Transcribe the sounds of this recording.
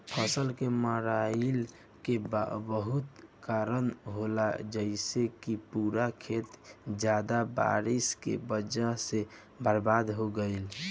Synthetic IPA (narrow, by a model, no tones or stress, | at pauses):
pʰəsəlkeməɾaɪl | kebbəɦut̪kaːɾənɦolad͡ʒəɪsekipuɾakʰet̪d͡ʒjad̪aba̰ɾiskḛbəd͡ʒase | bʱəɾbaːd̪ɦoɡəɪl